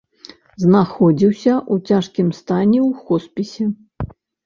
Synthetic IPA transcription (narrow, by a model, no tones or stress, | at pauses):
znaxɔd͡zʲiwsʲɐʔut͡sʲaʂkʲimst̪anʲɛwxɔspʲisʲɛ